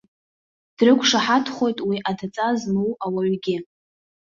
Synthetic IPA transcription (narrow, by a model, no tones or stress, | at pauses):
d̥rɨkʷʰʂaħatʰχʷo̞jtʼwiʔadʰat͡sʼaznuwawaɥɡʲɪ